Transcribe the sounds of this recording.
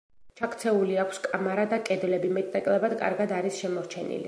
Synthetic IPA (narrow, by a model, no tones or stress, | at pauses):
t͡ʃʰakʰt̪sʰɛuliakʰskʼamaɾad̪akʼɛd̪lɛbimɛt̪ʼnɛkʼlˠɛbad̪kʼa̰ɾɡad̪aɾisʃɛmɔɾt͡ʃʰɛnḭlḭ